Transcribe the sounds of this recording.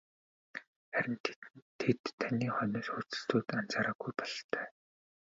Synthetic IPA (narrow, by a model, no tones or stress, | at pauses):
χæɾʲɪ̆nt̪ʰet̪ʰːaniːχœnɔːsxurt͡sɘ̥̆ɬt͡s̪ʰuːt̪an̥t͡saːɾaːɡujpɔɮt̪ʰœː